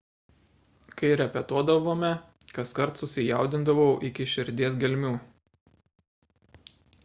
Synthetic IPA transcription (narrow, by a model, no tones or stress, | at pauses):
kɐɪɾʲɛpʲɛt̪uɔd̪ɐʋoːmʲɛ | kɐskɐɾt̪sʊsʲɪjɑˑʊd̪ʲɪnd̪ɐʋɐʊʔɪkʲɪʃʲɪɾʲd̪ʲeːs̬ɡʲɛlʲmʲuː